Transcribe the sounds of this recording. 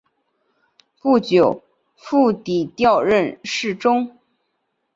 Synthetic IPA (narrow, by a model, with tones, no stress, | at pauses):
pu˥˩t͡ɕjo˨˩ʊ | fu˥˩t̪i˨˩t̪jɑ˥˧ʊɻə˥˧nʂɻ̩˥˩ʈ͡ʂʊ˥ŋ